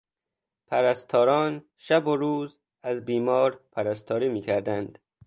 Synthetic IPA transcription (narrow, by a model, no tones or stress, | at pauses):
pʰæɾæst̪ʰɒːɾɒːn | ʃæboɾuːz | æzbiːmɒːɾpʰæɾæst̪ʰɒːɾiːmiːkʰæɾd̪ænd̪̥